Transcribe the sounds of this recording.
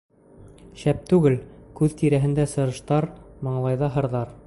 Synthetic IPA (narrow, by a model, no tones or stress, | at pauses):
ɕæp̚t̪ʉɡɘlkʉðt̪iɾæɦɘ̆nd̪æsɤ̆ɾɤ̆ʃt̪ɑɾmɤ̆ɴlˠɑjðɑɦɤ̆ɾðɑɾ